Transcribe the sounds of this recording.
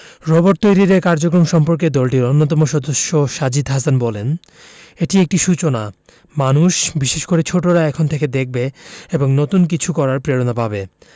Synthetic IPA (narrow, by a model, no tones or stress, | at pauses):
ɾɔboʈ̚t̪ojɾiɾekaɾd͡ʑokɾomʃɔmpoɾk̬ed̪ɔlʈiɾonːot̪̬ɔmoʃɔd̪oʃːoʃad͡ʑid̪ɦasanbɔlen | eʈiek̚ʈiʃut͡ɕona | manuʃbiʃeʃkoɾet͡ɕʰoʈoɾaɛkʰont̪ʰeked̪ek̚ʰbeeboŋnot̪unkit͡ɕʰukɔɾaɾpɾeɾonapabe